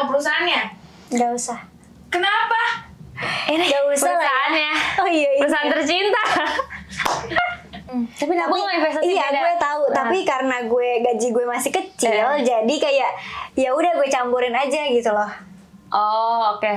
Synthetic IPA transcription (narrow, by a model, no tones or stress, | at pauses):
pəɾusaɦanɲa | ɡausah | kənapa | iniɡausaulaaanɲaɔijaiɾusaant̪ərt͡ʃint̪a | t̪apinaaaifesaijaɡuɛt̪aut̪apikaɾənaɡuɛɡaʔd͡ʒiɡuɛmasɪhkət͡ʃɪld͡ʒadikajaʔjaudahɡuɛt͡ʃambuɾɪnad͡ʒaɡit̪ulɔh | ʔɔoke